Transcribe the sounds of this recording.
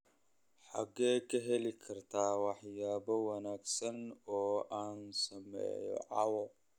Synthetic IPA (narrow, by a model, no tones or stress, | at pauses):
ħa̰ɡɛːkʰɐɦɛlikʰɐrt̪ʰaːwɑħjaːbɔwɐnaːɡsɐnɔːʔaːnsɐmɛ̰ːjɔ̰ʕɑwɔ